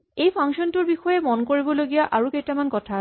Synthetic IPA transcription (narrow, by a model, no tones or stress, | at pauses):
ejpʰaŋsɔntʊɹbixɔjɛmɔnkoɹibɔloɡijaʔaɹukejtamankɔtʰa